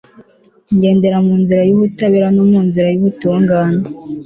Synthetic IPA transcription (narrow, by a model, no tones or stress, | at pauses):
ɲɟe̞ːnde̞ɾamuːnziɾajuβutaβiɾanomuːnziɾajuβutuːŋɡaːne